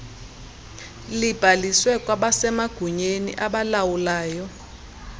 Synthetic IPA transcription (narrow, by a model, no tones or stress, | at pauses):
lib̥ʱaliswɛkʼwaɓasɛmaɡ̥ʱuɲenḭʔaɓalawulaːjɔ